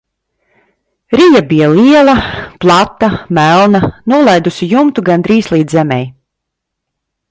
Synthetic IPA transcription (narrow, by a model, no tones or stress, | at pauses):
ɾijabijalˠiɛlˠɐplˠat̪ːamælˠnanuɔlˠajd̪usijumt̪uɡand̪ɾiːslˠiːd̪zɛmɛ̰j